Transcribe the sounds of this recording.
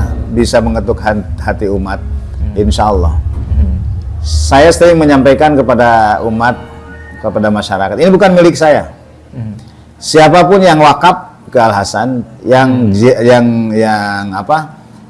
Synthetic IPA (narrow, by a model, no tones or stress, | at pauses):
bisaməŋət̪ʊkahat̪iumat̪̚inʃaɔlːɔ̰h | sajast̪əŋməɲampajkankəpadaumat̪̚kəpadamaʃaɾakat̪inibukanmilɪk̚saja | siapapʊnjaŋwakap̚ | kəalɦasanjaŋd͡ʒjaŋjaŋapa